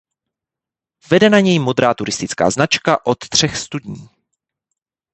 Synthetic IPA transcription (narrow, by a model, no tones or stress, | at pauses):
vɛdɛnaɲɛjmod̪ɾaːt̪uɾɪst̪ɪt͡ska̰ːznat͡ʃkaʔo̞t̪t̪r̝̥ɛxst̪udɲiː